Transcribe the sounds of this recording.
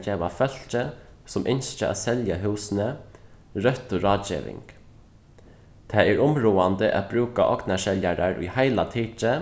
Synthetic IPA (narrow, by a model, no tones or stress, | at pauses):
d͡ʒɛːʋafœl̥t͡ʃəsʊmʔɪnst͡ʃəa̰sɛljaɦʉːsnə | ɾœht̪ʊɾɑːd͡ʒḛːʋɪ̰ŋk | t̪ʰɛɛɾʊmɾuːand̪əʔa̰t̪̚bɾʉːkaʔɔknaʃɛljaɾaɹʊ̰jhaɪlat̪ʰiːt͡ʃə